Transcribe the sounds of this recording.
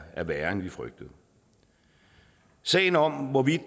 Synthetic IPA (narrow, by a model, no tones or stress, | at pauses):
æɐʋæːɐnʋifʁœɡ̥̚d̥əð̩ˠ | sɛ̰ːn̩ɒ̽m̰ʋɒʋid̥